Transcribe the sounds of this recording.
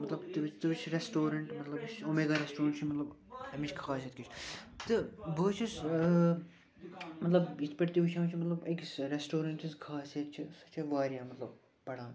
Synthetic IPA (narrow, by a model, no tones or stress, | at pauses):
mɐt̪lɐbt̪it͡ʃʰt̪ɨt͡ʃʰɾesʈoːɾɐɳʈmɐt̪lɐbɨʃʰomeːɡaːɾesʈoːɾɐɳʈt͡ʃʰimɐt̪lɐb | ɐmit͡ʃʰkʰaːsijɐt̪kit͡ʃʰt̪ɨbəːt͡ʃʰis | mɐt̪lɐbjit̪ʰpɐʈt̪iʋut͡ʃʰɐ̃ːt͡ʃʰimɐt̪lɐbɐksɾesʈoːɾɐɳʈinskʰaːsijɐt̪̚t͡ʃʰisɐt͡ʃʰiʋaːɾijaːmɐt̪lɐb̚ | pɐɽãːn